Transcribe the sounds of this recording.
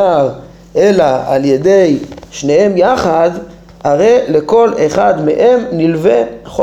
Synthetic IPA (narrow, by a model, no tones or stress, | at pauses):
aʁ | ʔe̞laa̰lje̞dejʃne̞he̞mjaχad | haʁe̞jle̞ko̞leχadmeʔemnilve̞χo